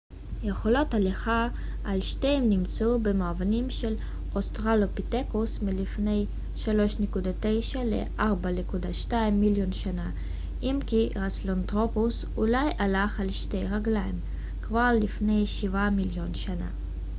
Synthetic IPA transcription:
jeχo̞lo̞taleχa | ʔalʃtejmnimt͡subemaavanimʃel | ʔost̪ʁalopit̪ekusmilifne̞j | ʃalo̞ʃnekud̪ate̞jʃalḛʔaʁbanekudaʃtaimːiljo̞nʃana | ʔimkiʁaslont̪ʁopus | ulajʔalaχalʃte̞jʁaɡlaim | kvaʁlifne̞jʃivamiljo̞nʃana̰

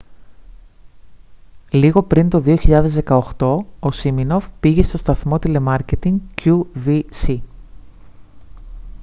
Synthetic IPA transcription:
liɣo̞pɾint̪o̞ðio̞çiʎɐðe̞zðe̞kɐoxt̪o̞osimino̞fpiʝe̞st̪o̞st̪ɐθmo̞t̪ile̞mɐɾce̞t̪iŋɡcuvisi

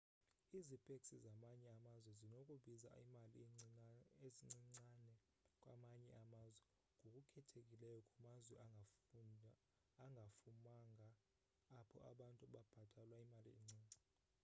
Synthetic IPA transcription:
izipʼekʼsizamaɲɛamazwɛzinokʼuɓiza̰imali | eziŋ͡ǀiŋ͡ǀanɛ | kʼwamaɲɛʔamazwɛ | ŋɡʱokʼukʰɛtʰekʼilɛjɔkʼumazwɛa | ŋʱafumaŋɡʱaː | pʰɔ̰ʔaɓantʼuɓab̥ʱad̥ʱʼalwaimalḭeŋ͡ǀʱiːŋ͡ǀʱi

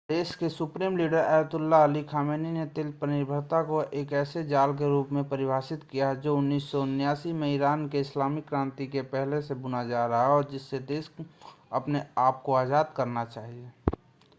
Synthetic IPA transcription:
d̪eːʃkesʊpɾiːmliːɖəɾaːjət̪ʊlːaəlikʰaːmeːninet̪eːlpənɪɾbʱəɾt̪akoʔeːkɛːsed͡ʒaːlk̬eɾuːpmẽpəɾɪbʱaːsɪt̪kijad͡ʒoʊnːiːsːɔʊnjaːsimeiɾaːnkeɪslaːmɪkːɾãːnt̪ikepɛɦlesebʊnad͡ʒaːɾɐɦaɔːɾd͡ʒɪsːed̪eːʃɐpneaːp̚koaːzaːd̪̚kəɾnat͡ʃaːɦie

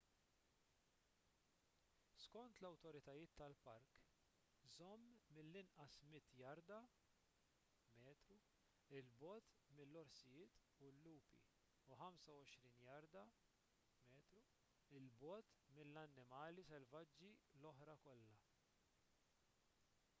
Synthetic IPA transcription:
skɔnt̪lɐwt̪ɔɾɪt̪ɐjɪːt̪ːɐlpɐɾk | zɔmːɪlːɪnʔɐsmɪt̪ːjɐɾd̪ɐ | mɛːt̪ɾu | ɪlbɔːt̪mɪlːɔɾsɪjɪːt̪ | ulːuːpḭ | uħɐmsɐwɔʃɾiːnjɐɾd̪ɐ | mɛːt̪ɾu | ɪlbɔːt̪mɪlːɐnːɪmɐːlisɛlvɐd͡ʒːilɔħɾɐkɔlːɐ

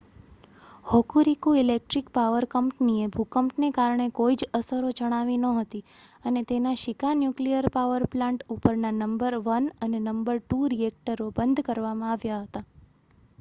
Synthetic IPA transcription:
hɔkuɾikuilek̚ʈɾikpaʋəɾkəmpniebʱukəmʈnekaɾɳ̃ekoid͡ʒəsəɾod͡ʒəɽ̃aʋinəɦət̪iənet̪enaʃɪkanjuklijəɾpaʋəɾplãɳʈupəɾnanəmbəɾʋənənenəmbəɾʈuɾiek̚ʈəɾobənd̪ʱkəɾʋamãaʋjaɦət̪a

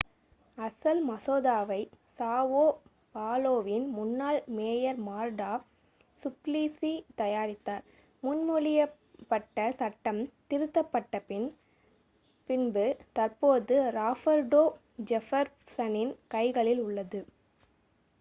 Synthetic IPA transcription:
ɐsɐlmɐsoːðaːʋɐɪsaːʋoː | paːloːʋɪnmʊnːaːɭmeːjɐɾmaːɾɖaː | sʊpliːsit̪ɐjaːɾɪt̪ːaːɾ | mʊnmʊlɪjɐ | pːɐʈːɐsɐʈːɐmt̪ɪɾɯt̪ːɐpːɐʈːɐpɪn | pɪnbɯt̪ɐɾpoːðɯɾaːfɐɾɖoː | d͡ʒɛfɐɾ | sɐnɪnkɐɪɣɐɭɪlʊɭːɐðɯ

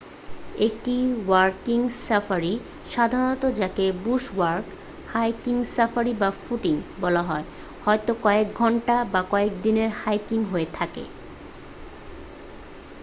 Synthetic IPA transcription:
ek̚ʈiwaɾkiŋsafaɾi | ʃad̪ʱaɾonot̪od͡ʑakebuʃwaɾk | hajkiŋsafaɾibafuʈiŋbɔlaɦɔe | hɔet̪okɔek̚ɡʱɔɳʈabakɔek̚d̪ineɾhajkiŋɦoet̪ʰakḛ

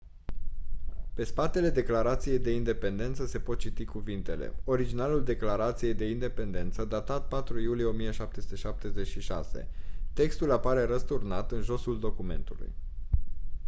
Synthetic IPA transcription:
pe̞spat̪e̞le̞d̪e̞klaɾat̪sije̞jd̪e̞ind̪e̞pe̞nd̪e̞nt̪səse̞po̞t̪̚t͡ʃit̪ikuvint̪e̞le̞̰o̞ɾid͡ʒinaluld̪e̞klaɾat̪sije̞jd̪e̞ind̪e̞pe̞nd̪e̞nt̪səd̪at̪at̪̚pat̪ɾujulije̞o̞mijeʃap̚t̪e̞su̥t̪e̞ʃap̚t̪e̞ze̞t͡ʃʃiʃa̰se̞̰t̪e̞kst̪ulapaɾe̞ɾəst̪urnat̪ɨnʒo̞suld̪o̞kume̞̰nt̪ulṵj

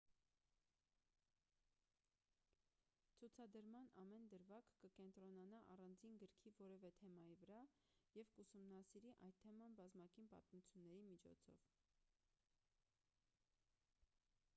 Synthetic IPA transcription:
t͡sʰut͡sʰɑd̪əɾmɑnɑmɛnd̪əɾvɑkkəkɛnt̪ɾɔnɑnɑʔɑrɑnd͡zinɡəɾkʰivɔɾɛvɛt̪ʰɛmɑjivəɾɑ | jɛvkusumnɑsiɾiʔɑ̰jt̪ʰːɛmɑnbɑzmɑkinpɑ̰t̪mut͡sʰjunːɛɾimit͡ʃʰɔ̰t͡sʰɔ̰v

